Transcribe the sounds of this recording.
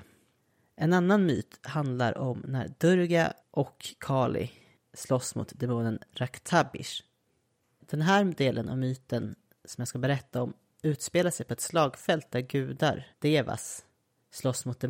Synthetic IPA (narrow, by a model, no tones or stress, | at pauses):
ɛnanːanmyːt̪hand̪laɾɔmnæ̰ɾd̪̥ɵɾɡa | ʔɔkʰːɑːlɪ̰ | slɔsːmʊ̰ːt̪d̪ɛmuːnənɾakt̪ʰabɪ̰ʂ | d̪̥ɛnɦæːɾd̪eːlʔəna̰vmyːt̪ən | sɔmjɑːɡskabɛɾɛt̪ːaɔm | ʉ̟ːt̪speːlasɛjpʰɔɛt̪slɑːɡfɛlt̪̚d̪æɾɡʉ̟ːd̪a̰ɾd̪̥eːva̰s | slɔsːmʊt̪̚d̪ɛ